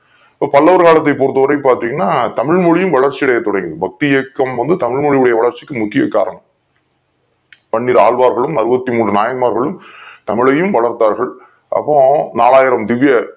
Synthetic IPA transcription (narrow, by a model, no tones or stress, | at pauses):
ɐpːɐpɐlːɐʋɐɾɯɣaːɭɐt̪̬ːɐɪpoːɾɯt̪ːɯʋɐɾɐɪpːaːɾt̪ɾiːŋɡɐnːaːt̪ɐmɪɻmɔɭɪjɯmʋɐɭɐɾt͡ʃːiɪɽɐjɐt̪ːɔɽɐjŋɡɐbɐk̚t̪ɪjɛkːɐmʋɐnd̪ɯt̪ɐmɪɭmɔɻɪɯɽɐjɐʋɐɭɐɾt͡ʃːɪ̥kːɯmʊkːɪjɐka̰ːɾɐɳ | pɐɳːiːɾa̰ːɭʋaːɾɣɐɭɯmɐɾɯbɐt̪ːimuːɳrɯnaːjɐnmaːɾɣɐɭɯmt̪ɐmɪɭɐjɯmʋɐɭɐɾt̪aːɾɣɐɭ | ʔɐ̰pːõna̰ːlaːjɪɾɐmd̪ɪʋɪjɐ